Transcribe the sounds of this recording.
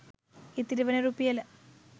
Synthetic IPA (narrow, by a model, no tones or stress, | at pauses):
it̪ːiɾuʋɐnɐɾuːpːijɐlɐ